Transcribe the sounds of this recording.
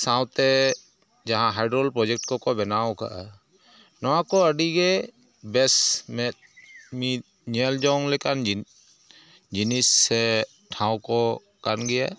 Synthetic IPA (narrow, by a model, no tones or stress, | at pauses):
sãwt̪ɛ | d͡ʒaɦãɦajɖɾɔlpɾɔd͡ʒɛk̚ʈkɔkɔbɛnawka̰ʔa | nɔwakɔəɖiɡɛ | bɛsmɛt̪̚ | mi | ɲɛld͡ʒɔŋlɛkan | d͡ʒinisːɛ | ʈʰãwkɔ | kanɡɛja